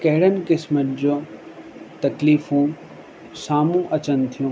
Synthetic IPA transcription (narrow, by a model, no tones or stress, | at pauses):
kɐɦɪɽənɪ̆kɪsmənd͡ʑoː | t̪ɐkliːfũː | saːmũʔɐt͡ɕənt̪ʰijũ